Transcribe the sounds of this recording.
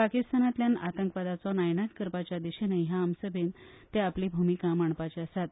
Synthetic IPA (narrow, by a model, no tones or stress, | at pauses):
pakist̪anat̪ljanat̪əŋkpad̪at͡sɔnajnak̪kəɾpat͡ɕad̪iɕenəɦjaːmsəbʱent̪eapliːbʱumikamaɳ̃pat͡ɕiasat̪